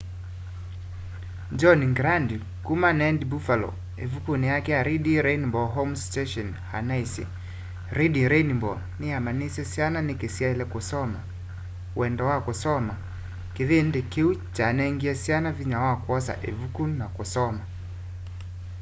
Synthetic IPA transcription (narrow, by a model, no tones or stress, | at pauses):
d͡ʒɔniŋɡɾandi | kumanɛndibufalɔ̰ | evukunijakɛaɾiɗiɾɛinimbɔɦɔmstɛʃɔn | ha̰naisḭ | ɾiɗiɾɛnimbɔ | niamanisɛsiananikisialɛkusɔma | wɛndɔwakusɔma | kiðindɛkiut͡ʃanɛiŋɡiasianaviɲawakwɔsa̰ʔevukunnakusɔma